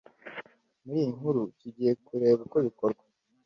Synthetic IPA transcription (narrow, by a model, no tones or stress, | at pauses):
muɾiːjiŋuɾuciɟije̞kuɾe̞ːɡakoβiko̞ɾɡwa